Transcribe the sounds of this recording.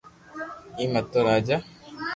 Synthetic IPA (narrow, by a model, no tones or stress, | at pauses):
imɛt̪ːoɾaːd͡ʒa